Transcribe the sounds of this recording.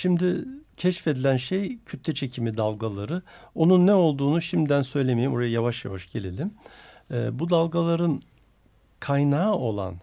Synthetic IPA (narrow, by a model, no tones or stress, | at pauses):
ʃimd̪ɪcʰɛʃfe̞d̪ilʲænʃejcʰøt̪lʲɛt͡ʃʰe̞cʰimid̪alˠɡalˠaɾɯo̞nunːɛo̞lˠd̪uːnuʃimd̪d̪ænsø̞jlʲemejimoɾajajavaʃja̰vaʃɟ̥e̞lʲe̞lʲim | ɛbud̪alˠɡalˠaɾɯn | kʰajnaːo̞lˠa̰n